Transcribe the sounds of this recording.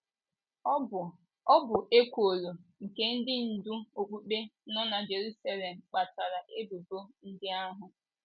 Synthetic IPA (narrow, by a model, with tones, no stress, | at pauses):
ɔ˦bʊ˨ʔe˦kʷo˨lo˨ŋ̩˨ke˦n̩˦dɪ˦n̩˨du˦o˨k͡pu˦k͡pe˦nʊ˦na˨d͡ʒe˨ɾu˦sa˦le˨m̩˨k͡pa˨ta˨ɾa˨ʔe˦bu˨bo˦n̩˦dɪ˦a˦ɦʊ˨